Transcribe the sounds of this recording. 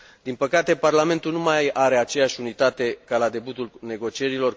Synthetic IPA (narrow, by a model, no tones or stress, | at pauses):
d̪̥inpəkat̪e̞parlame̞nt̪ulnumajaɾe̞at͡ʃe̞jaʃʲunit̪at̪e̞kalad̪e̞but̪ulne̞ɡo̞t͡ʃie̞ɾilo̞r